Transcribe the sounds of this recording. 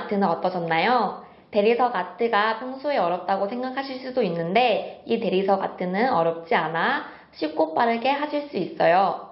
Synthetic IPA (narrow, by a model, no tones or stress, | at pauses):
tʰɯnɯnʌt͈ʌd͡ʑʌnːajo | te̞ɾisʰʌɡatʰɯɡapʰjʌŋsʰoeʌɾjʌp̚t͈aɡosʰe̞ŋɡakʰaɕʰiɭs͈udoinːɯnde̞ite̞ɾisʰʌɡa̰tʰɯnɯnʌɾjʌp̚t͡ɕ͈iana | ɕʰik͈op͈aɾɯɡe̞ɦaɕʰiɭs͈uis͈ʌjo